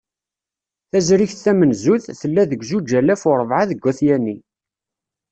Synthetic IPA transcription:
θæzɾiçθæmənzuθθəlːæðəɡzud͡ʒælæfʊɾˤəvʕaðəɡʷːæθjænːi

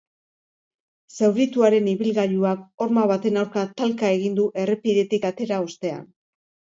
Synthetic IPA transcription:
sewɾit̪uaɾe̞niβilɣaʎuako̞ɾmaβat̪e̞nawɾkat̪alkae̞ɣ̞ind̪uʔe̞re̞piðe̞t̪ikat̪e̞ɾaost̪e̞a̰n

